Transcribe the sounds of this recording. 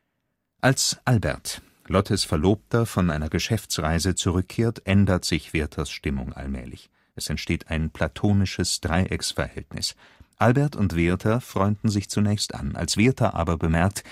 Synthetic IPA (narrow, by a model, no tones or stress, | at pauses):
ʔalsʔalbɛ̰ɐt | lɔtʰəsfɛɐloːp̚tɐfɔnʔaɪnɐɡəʃɛft͡sʁaɪzət͡suʁʏkʰːeːɐtʔɛndɐtz̥ɪçv̥eːɐtʰɐsʃtɪmʊ̰ŋʔa̰lmɛ̰ːlɪ̰ç | ʔɛsɛntʃteːtʰaɪnpʰl̥atʰoːnɪʃəsd̥ʁaɪʔɛksfɛ̰ɐhɛ̰ltnɪ̰s | ʔalbɛɐtʊntv̥eɐtʰɐfʁ̥ɔʏndn̩zɪçt͡sunɛːçstʔa̰nʔa̰lsv̥eːɐtʰɐʔa̰ːbɐbəmɛɐk̚t